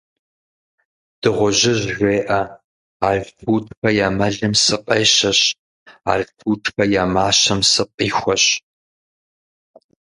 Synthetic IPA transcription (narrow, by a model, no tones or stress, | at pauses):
d̥ɨʁʷʊʑɪʑʒʷeːʔɐ | aːɮfʰuːʈ͡ʂʼxɐjaːmɐɮɨmsɨqʼeːɕɐɕ | a̰ːɮfuːʈ͡ʂʰʼxɐjaːmaːɕɐmsɨqʼiːxʷɔɕ